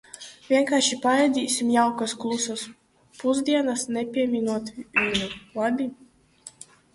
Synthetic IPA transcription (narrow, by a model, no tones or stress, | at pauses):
vʲiɛŋkaːɾʃipaɾɛjd̪ʲiːsʲimjawkasklˠusas | puzd̪ʲiɛnasnɛpʲiɛmʲinuɔt̪vinʲulad̪ʲi